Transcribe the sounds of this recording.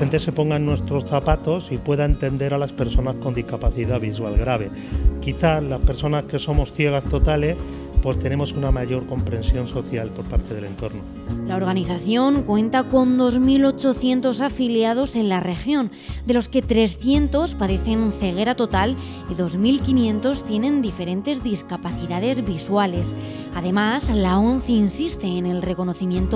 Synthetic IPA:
ent̪e̞se̞po̞ŋɡaenːwe̞st̪ɾo̞sθapat̪o̞sipwe̞ðaent̪e̞nd̪e̞ɾalaspe̞ɾso̞nasko̞nd̪iskapaθiðaβis̬walɣɾaβ̞e̞ | kiθalaspeɾso̞naske̞so̞mo̞sθje̞ɣ̞ast̪o̞t̪ale̞s | pwe̞st̪e̞ne̞mo̞sunamaʝo̞ɾko̞mpɾe̞nsjo̞nso̞θjalpo̞ɾpaɾt̪e̞ð̞e̞le̞nt̪o̞ɾno | lao̞ɾɣ̞aniθaθjo̞ŋkwe̞nt̪ako̞nd̪o̞zmilo̞t͡ʃo̞θje̞nt̪o̞safiljað̞o̞se̞nlare̞xjõ̞n | d̪e̞lo̞ske̞t̪ɾe̞sθje̞nt̪o̞spaðe̞θe̞nθe̞ɣ̞e̞ɾat̪o̞t̪al | iðo̞zmilkinjẽ̞nt̪o̞st̪je̞nẽ̞nd̪ife̞ɾẽ̞nt̪e̞zðiskapaθiðað̞e̞zβiswale̞s | aðe̞mazlao̞nθeinsist̪e̞ːne̞lre̞ko̞no̞θimjẽ̞nt̪o

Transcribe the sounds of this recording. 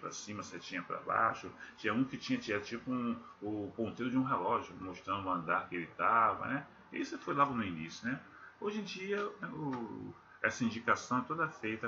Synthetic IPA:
pɾɐ̰sĩmɐset͡ʃĩɲɐpɾɐ̰ba̰ʃʊt͡ʃĩɲɐũkɪt͡ʃĩɲɐt͡ʃiad̪ʊt͡ʃipʊũ | ʊpõnt̪eɾʊd͡ʒɪũɦelɔʒjʊmoʃt̪ɾɐ̃d̪ʊɐ̃nd̪aɾkɪelɪt̪avɐ̰nɛ | isɪfojlaɡʊnʊinisjʊnɛ | oʒẽd͡ʒiɐɛʊ | ɛsɐĩd͡ʒikasɐ̃w̃ɛt̪od̪ɐfejt̪ɐ

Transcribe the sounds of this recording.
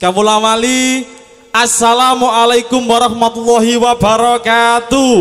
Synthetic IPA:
kamulawali | ʔasːalamuʔalajkʊmwaɾɑhmat̪ulːɑɦiwabaɾɔkat̪u

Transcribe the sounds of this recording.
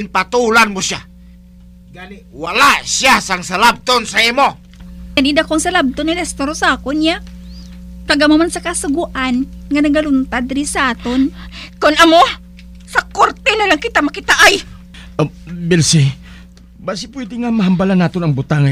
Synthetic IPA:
npat̪ulanmosja | ɡanɛ | walasjasaŋsalab̚t̪onsaimo | ɡanid̪akoŋsɐlab̚t̪onalɛst̪oɾosakonja | kaɡamamansakɐsʊɡuʔanŋanɐɡɐlʊnt̪ad̪ɪɾisaat̪onkonɐmo | sɐkoɾt̪ɛnalaŋkɪt̪amakɪt̪aʔaj | bɛlsi | basipwɛd̪ɪŋamaɦambalanat̪onaŋbut̪aŋa

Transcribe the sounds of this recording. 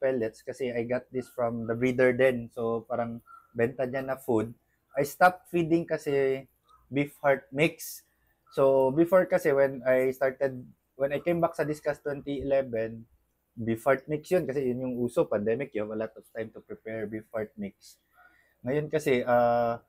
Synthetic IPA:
pɛlɛt̪skɐsɛajɡat̪̚d̪ɪsfɹɐmd̪ɐbɹid̪ɛɹd̪ɛnsopaːɾɐŋbɛnt̪ɐɲanɐfud̪̚ | ʔɐjst̪ap̚t̪̚fid̪ɪŋkɐsɛ | bifhaɹt̪̚mɪksː | obɪfoɹkɐsɛwɛnajst̪aɹt̪ɛd̪̚ | wɛnɐjkẽjmbak̚sɐd̪ɪskast̪ːwɛnt̪iɪlɛvɛn | bifhaɹt̪̚mɪk̚sjonkɐsɛjʊnjʊŋuːsopɐnd̪ɛmɪk̚jʊhavɐlɔt̪ɔv̥t̪ãjmt̪ʊpɹɪpɛɹbifhaɹt̪̚mɪk̚s | ŋɐjonkɐsɛʔa

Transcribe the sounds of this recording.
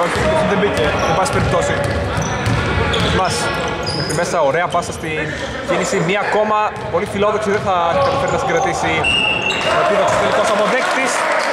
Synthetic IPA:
oçet̪inðembiceebɐspeɾip̚t̪o̞si | mɐs | met̪imesɐo̞ɾe̞ɐpɐsɐst̪in | cinisimɲiɐko̞mɐ | po̞lifilo̞ðoksiðeθɐikɐt̪ipeɾnɐst̪iŋɡɾɐt̪isi | epiðoksi̥st̪elikosɐpo̞ðext̪is

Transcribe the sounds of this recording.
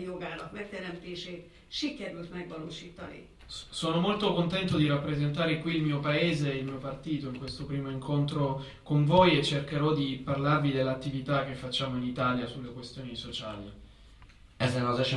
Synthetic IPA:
joɡaːlɒkmɛk̚t̪ɛɾɛmt̪eːʃeːt̪ | ʃikɛɾylt̪mɛɡʋɒloːʃiːt̪ɑnḭ | soːnomolt̪okont̪ɛnt̪od̪iɾapːɾezent̪aːɾekwiːlmiːopaeːzeilmiːopart̪iːt̪oiŋkwest̪opɾiːmoiŋkʰont̪ɾo | koɱvojet͡ʃːerkeɾɔd̪iparlarvid̪elːat̪ːivit̪ak̟ːefːat͡ʃːaːmoinit̪aːljasulːekwest̪joːnisot͡ʃaːli | ɛsɛnozɛt͡ʃ

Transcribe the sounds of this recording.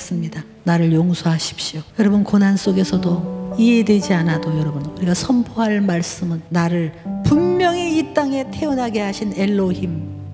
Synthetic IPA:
s͈ɯmɲida | naɾɯɭjoŋsʰoɦaɕʰi̥p̚ɕ͈iojʌɾʌbɯnkonɦans͈oɡe̞sʰʌdoiɦe̞dwe̞d͡ʑianadojʌɾʌbunuɾiɡasʰʌmpʰoɦaɭmaɭs͈ɯmɯnːaɾɯɭpumːjʌŋiit͈aŋe̞tʰe̞unɦaɡe̞ɦaɕʰine̞ɭːohim

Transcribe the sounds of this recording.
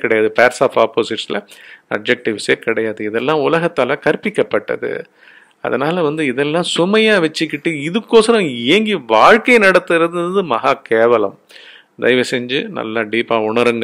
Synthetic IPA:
kɪɽɐjaːðɯpaːɾsaːfaːpoːsɪʈsɪlɐ̰ɐ̰b̚d͡ʒɛk̚ʈɪʋsekɪɽɐjaːðɯɪðɛlːãːʊlɐɣɐt̪ːaːlɐkɐɾpɪkːɐpːɐʈːɐ̰ðɯ̰ | ɐ̰ðɐnaːlɐʋɐnd̪ɯɪðɛlːãːsʊmɐjaːʋɛt͡ʃːɯkːɪʈːɯɪðɯkːoːsɐɾɐ̃ɪɐŋɡiʋaːɻkɐɪnɐɽɐt̪ːɯɾɐðɯmɐɣaːkeːʋɐlɐm | d̪ɐ̰ɪʋɐsɛɲd͡ʒɯnɐ̰lːɐɖiːpaːʊɳɐɾɯŋɡ

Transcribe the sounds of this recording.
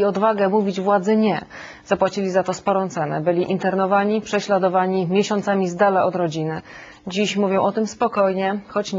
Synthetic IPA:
iɔd̪vaɡɛmuvʲid͡ʑvwad̪zɘɲɛ | z̥apwat͡ɕilʲizat̪ɔspɔɾɔ̃w̃t̪sɛnɛ̰bɘlʲiʔint̪ɛɾnɔvaɲipʂɛɕlad̪ɔvaɲimʲjɛɕɔnt̪samʲizd̪alaʔɔd̪ɾɔd͡ʑinɘ | d͡ʑiɕmuvʲjɔ̃w̃ʔɔt̪ɘmspɔkɔjɲɛxɔt͡ɕɲ

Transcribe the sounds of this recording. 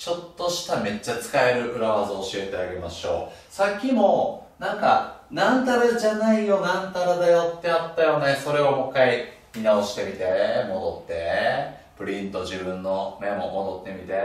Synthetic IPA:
t͡ɕo̞t̪ːo̞ɕi̥t̪ame̞t͡ɕːat͡sɨ̥kae̞ɾɯ̟ʔɯ̟ɾaβazoɕie̞t̪e̞aɡe̞maɕo̞̰ː | sakʲːimo̞nãŋkanãnt̪aɾad͡ʑanaijo̞nãnt̪aɾad̪ajo̞t̪ːe̞jat̪ːajo̞neso̞ɾe̞βomo̞kːai | mʲinao̞ɕi̥t̪e̞mʲit̪e̞mo̞d̪o̞t̪ːe̞ | pɯ̟ɾʲĩnt̪o̞ʑibɯ̟̃nːo̞nemomo̞d̪o̞t̪ːe̞mʲit̪e̞

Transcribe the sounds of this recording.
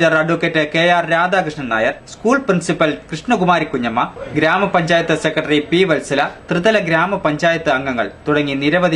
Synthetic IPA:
d͡ʑɐrɐɖʋukːetːɨkeːjaːrɾaːd̪aːkɾɨʂɳɐna̰ːjɐrskuːɭprinsipɐlkrɨʂɳɐkumaːɾikːuɲːɐmːɐɡɾaːmɐpɐɲd͡ʑaːjɐt̪ːɨsekːrɐʈɐripiʋɐlsɐlɐt̪rɨðɐlɐɡɾaːmɐpɐɲd͡ʑaːjɐt̪ːɨɐŋɡɐŋːɐ̰ɭt̪uɽɐŋːiniɾɐʋɐði

